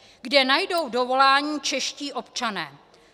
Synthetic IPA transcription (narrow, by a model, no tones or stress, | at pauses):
ɡdɛnajdo̞wdo̞vo̞laːɲiːt͡ʃɛʃciːʔo̞pt͡ʃanɛː